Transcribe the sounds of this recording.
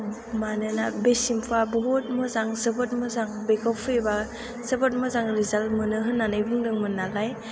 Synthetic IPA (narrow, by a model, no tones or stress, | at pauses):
manɯnabesimpʰabɔɦot̚mɯzaŋzɯbɯt̚mɯzaŋbekʰɔpʰɯjba | z̥ɯbɔt̚mɯzaŋɾizalmɯnɯɦɯnːanajbɯŋdɯŋmɯnalaj